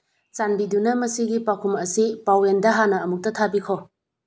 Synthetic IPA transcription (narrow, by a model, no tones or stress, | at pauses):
t͡ʃanbidunɐmɐsiɡipakʰumɐsipawendɐɦanɐːmuk̚tɐtʰabikʰo